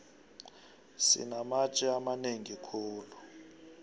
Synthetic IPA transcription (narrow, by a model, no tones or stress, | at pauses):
sḭnamat͡ʃʼiamaneŋikʰuːlu